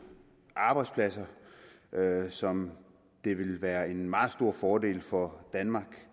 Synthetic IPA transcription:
ʔɑ̈ːb̥ɑ̈ɪ̥spʰlæsɐ | ʔøsɒ̽m | d̥e̝ʋe̝lʋæːɐe̝nmɑ̈ːð̩ˠsd̥o̝ɐ̰fɒːd̥e̝̰ːlfɒ̽d̥ænmɑ̈ːɡ̥

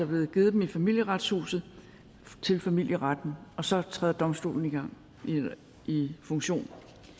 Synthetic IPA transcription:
ɑb̥le̝ð̩ˠɡ̥e̝ːð̩ˠd̥emifæmil̰jəʁad̥shṵːsð̩ˠ | t͡sʰe̝lfæmil̰jəʁad̥n̩ɒ̽sɒ̽t͡sʰʁɛðˠɐd̥ɒ̽msd̥o̝̰ːln̩iɡ̥ɑ̈ŋ̰ | ifɔ̽ŋɕo̝̰ːn

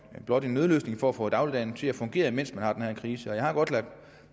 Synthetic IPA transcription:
b̥lɒ̽d̥e̝nøð̞ˠlø̰ːsne̝ŋfɒ̽æfɔ̰d̥ɑ̈ʊlid̥ɛ̰ːn̩t͡sʰe̝læfɔ̽ŋɡ̥e̝̰ːɐmen̰smænhɑ̈d̥enhæɐ̰nkʰʁiːsəɒ̽jɑ̈ɪhɑ̈ɡ̥ɒ̽d̥læ̥

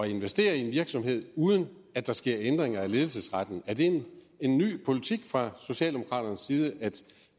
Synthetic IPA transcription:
ɒe̝nʋesd̥e̝̰ːɐienʋiɐɡ̥sɒ̽mhe̝ð̞̰ˠuːð̞ˠən̩ | æd̥ɑ̈sɡ̥e̝ɐ̰end̥ʁeŋɐæle̝ð̞ˠl̩sesʁad̥n̩æɐd̥e̝ | e̝nːy̰ːpʰo̝lit͡sʰiɡ̥fʁɑ̈so̝ɕɛ̰ld̥emo̝kʰɑ̰̈ːd̥ɐnəsːiːð̞ˠəʔæd̥

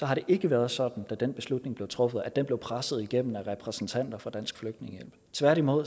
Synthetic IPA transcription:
sɒ̽ɦɑ̈ɾe̝ʔe̝ɡ̥əʋæɐðˠsɒ̽d̥n̩d̥æd̥en̰b̥e̝slud̥ne̝ŋb̥le̝ʊt͡sʰʁɔ̽fəð̩ˠæd̥enble̝ʊpʰʁasəð̞̩ˠiɡ̥em̰n̩æʁɛpʰʁɛsn̩t͡sʰæn̰d̥ɐfɒd̥æn̰sɡ̥fløɡ̥̚d̥ne̝ŋəjel̰b̥t͡sʰʋæɐ̰ɾimo̝ð̰ˠ

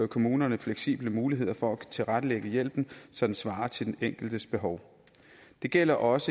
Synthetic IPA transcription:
ɐkʰo̝muːnɐnəfleɡ̥sḭːb̥ləmuːliɦe̝ð̞̰ˠɐfɒ̽æt͡sʰe̝lʁad̥əleɡ̥əjel̰b̥n̩sɒ̽d̥ensʋɑ̈ːɐt͡sʰe̝ld̥en̩eŋ̰ɡ̥l̩d̥əsb̥e̝ɦɒʊ | d̥e̝ɡ̥el̰ɐʔɒ̽sə

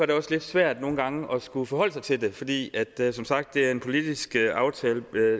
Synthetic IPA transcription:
ɑɐdɾe̝ɒ̽sle̝d̥sʋæɐ̰d̥no̝ːn̩ɡ̥ɑ̈ŋəʔɒ̽sɡ̥ufɒ̽ɦɒ̽l̰əsɑ̈ɪt͡sʰe̝ld̥e̝fɒ̽d̥ḭːæd̥sɒ̽msɑ̈ɡ̥d̥ːe̝æɐe̝npʰo̝lid̥isɡ̥əʔɑ̈ʊt͡sʰɛːlə

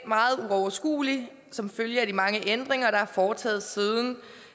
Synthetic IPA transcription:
mɑ̈ːð̞̩ˠuɒʊɐsɡ̥ṵːli | sɒ̽mføljəæd̥imɑ̈ŋəʔend̥ʁeŋɐɾ̥ɑ̈æɐfɒːt͡sʰɛ̰ːð̩ˠsið̞ˠn̩

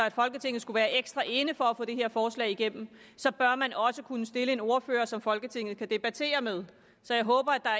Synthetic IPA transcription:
ɒæd̥fɒ̽lɡ̥ət͡sʰe̝ŋ̰ð̩ˠsɡ̥uʋæːɐʔeɡ̥sd̥ʁɑʔe̝nəfɒ̽æfɔ̽ːd̥eɦe̝ɐfɒːslɛ̰ːɪiɡ̥em̰m̩ | sɒ̽b̥ɶɐmænʔɒ̽səkʰunəsd̥e̝ləe̝no̝ɐfø̰ːɐsɒ̽mfɒ̽lɡ̥ət͡sʰe̝ŋ̰ð̩ˠkʰæd̥e̝b̥æt͡sʰe̝̰ːɐmeð̞ˠ | sɒ̽jɑ̈ɪɦɔ̽ːb̥ɐæd̥ɑ̈

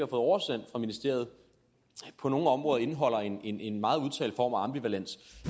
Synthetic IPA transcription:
ihɑfɔ̽ð̩ˠɒʊɐsen̰d̥fʁɑ̈minisd̥e̝ɐ̰ð̩ˠ | pʰɒ̽no̝ːn̩ɒ̽mʁɔːðˠɐe̝nɦɒ̽l̰ɐe̝ne̝ne̝nmɑ̈ːð̩ˠuðˠt͡sʰɛ̰ːld̥fɒ̰ːmæɑ̈mb̥iʋælen̰s

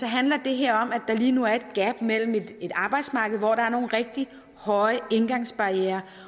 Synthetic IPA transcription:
sɒ̽ɦænlɐd̥e̝ɦeɐ̰ɒ̽m̰æd̥ɑ̈liːnuæɐe̝d̥̚ɡ̥æb̥mel̰m̩e̝d̥e̝d̥ɑ̈ːb̥ɑ̈ɪd̥smɑ̈ːɡ̥ð̩ˠʋɒɾ̥ɑ̈æɐno̝ːn̩ʁeɡ̥̚d̥i | hɒ̽ɪəe̝nɡ̥ɑ̈ŋ̰sb̥ɑ̈jeːɐ

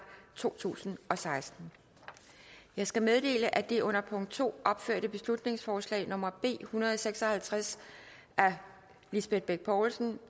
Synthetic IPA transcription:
t͡sʰo̝̰ːt͡sʰṵːsn̩ɒ̽sɑ̈ɪsd̥n̩ | jɑ̈ɪsɡ̥æmeð̞ˠd̥e̝̰ːləʔæd̥e̝ʔɔ̽n̰ɐpʰɔ̽ŋ̰d̥̚t͡sʰo̝̰ːʔɒ̽b̥føɐ̰ɾəb̥e̝slud̥ne̝ŋsfɒːslɛ̰ːɪnɔ̽mɐb̥e̝̰ːhunɐðˠɒ̽seɡ̥sɒ̽hælt͡sʰʁas | ʔæɐ | lisb̥e̝d̥̚b̥eɡ̥̚pʰɒːlsn̩

